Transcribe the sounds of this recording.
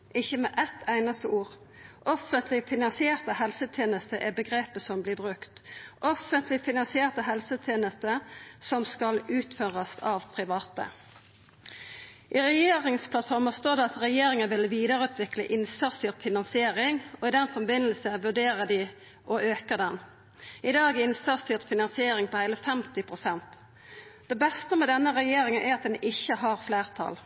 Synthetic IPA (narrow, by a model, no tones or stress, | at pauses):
ʔɪçːəmɛʔɛt̪ʰːæɪnɑst̪əʔuːʁ | ʔɔfənt̪ʰlɪfɪnɑnsɪeːʁt̪əhɛlsət̪ʰeːnəst̪əʔɛbəɡʁeːpəsɔmblɪʁbʁʉkt̪ʔɔfənt̪lɪfɪnɑnsɪeːʁt̪əɦɛlsət̪ʰeːnəst̪əsɔmskɑlʉːt̪føːʁɑsɑʋpʰʁɪʋɑːt̪ə̰ | ʔɪʁɛjeːʁɪŋspʰlɑt̪fɔʁməst̪oːʁd̪ɛɑt̪ʁɛjeːɾɪŋənʋɪlʋiːd̪əʁʉːt̪ʰʋɪkləʔɪnsɑʁst̪yːʁt̪fɪnɑnsɪeːʁɪŋɔɪd̪ɛnfɔbɪnəlsəʋʉɖeːʁəd̪ɪ | ʔɔʔøːkəʁd̪ɛn | ɪd̪ɑːɡɪnsæʁst̪yːʁt̪fɪnɑnsɪeːɾɪŋpʰɔhæɪləfɛmt̪ɪpʰʁʊsɛnt̪ | d̪ɛbɛst̪əmɛd̪ɛnːəʁɛjeːɾɪŋənʔæɾɑt̪̚d̪ɛnɪçːəɦɑʁfleːʁt̪ʰɑ̰l